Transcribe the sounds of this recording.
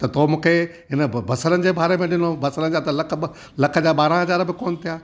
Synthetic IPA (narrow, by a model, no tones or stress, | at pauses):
t̪ɐt̪ʰomũːkʰe | ɦɪnə̆bʱɐsəɾənɪ̆d͡ʑeːbʱaːɾemẽɗɪnobʱɐsəɾənɪ̆d͡ʑaːt̪ɐlɐkʰ | lɐkʰə̆d͡ʑaːɓaːɾãɦɐzaːɾbɪkoːnt̪ʰijaː